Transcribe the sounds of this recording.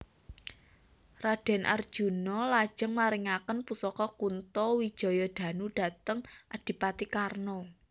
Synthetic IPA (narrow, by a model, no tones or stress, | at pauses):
raɖ̥ɛ̤nʔa̰rd̥ʒ̥ṳnɔlḁʒ̥ə̤ŋmaɾɪŋakənpusɔkɔkunt̪ɔwid̥ʒ̥ɔ̤jɔd̪̥ä̤nuɖ̥a̤t̪əŋʔad̥i̤pat̪ikarnɔ